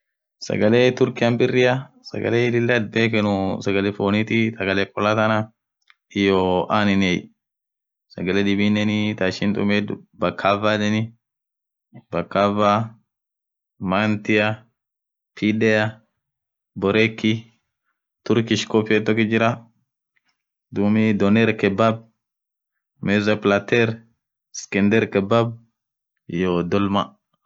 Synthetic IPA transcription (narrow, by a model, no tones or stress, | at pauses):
sɐ̰ɡɐleːt̪ʊɾkɪjɐmbɪrːɪjɐ | sɐ̰ɡɐ̰leːlɪlːɐd̪̚beːkɛnʊsɐɡɐlɛfoːnɪt̪it̪ɐɡɐleːkʼɔlat̪ɐnɐ | ɪjoʔaːnɪnej | sɐɡɐlɛd̪ɪbiːnːɛnɪt̪aːʃɪnt̪ʼʊ̰meːd̪ʊbɐkʰːaːvaːdɛnɪ | bɐkːaːvaː | mant̪ɪja | pʰidɛja | bɔɾɛkːi | t̪ʊɾkiʃkopiet̪ːɔkid͡ʒɪɾa | d̪umid̪ɔnɛɾkɛbab̚ | mɛzaplat̪ɛɾ | skɛnd̪ɛɾkɛbab̚ | jod̪ɔlma